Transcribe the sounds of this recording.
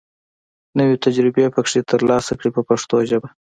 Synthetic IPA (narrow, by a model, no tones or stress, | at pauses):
nəwet̪ad͡ʒɾɪbepəkʂet̪ʰəɾlɑsakɽipəpaʂt̪oʒəba